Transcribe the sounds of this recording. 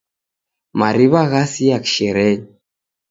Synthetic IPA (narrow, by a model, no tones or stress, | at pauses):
maɾiβaɣasiakʃɛɾɛɲ